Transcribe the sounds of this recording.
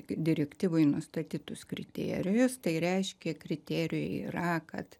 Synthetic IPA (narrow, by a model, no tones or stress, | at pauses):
d̪ʲɪɾʲɛkt̪ʲiːʋoɪnʊst̪ɐt̪ʲiːt̪ʊskɾʲɪt̪ʲḛːɾʲɪjʊst̪ɐɪɾʲɛɪʃʲkʲɛkɾʲɪt̪ʲeːɾʲɪjoḭːrɐkɐ̰t̪